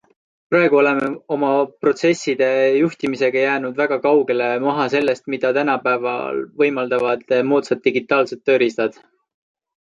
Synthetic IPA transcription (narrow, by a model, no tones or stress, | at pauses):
pɾɑe̞ɡ̥uo̞le̞meo̞mɑpro̞t̪se̞sːid̪̥e̞juht̪imise̞ɡ̥ɑjæːnud̪væɡ̥ɑkɑwɡe̞le̞mɑɦɑse̞lːe̞st̪mid̪̥ɑt̪ænɑpæevɑ̰lvɤjmɑld̪ɑvɑd̪̥emuːt̪set̪̚ːiɡit̪ːˑɑːlset̪ːø̞ːɾist̪ɑd̪̥